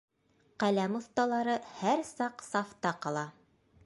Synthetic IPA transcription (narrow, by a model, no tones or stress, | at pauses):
qælæmŏθt̪ɑlˠɑɾɤhæɾsɑqsɑft̪ɑqɑlˠɑ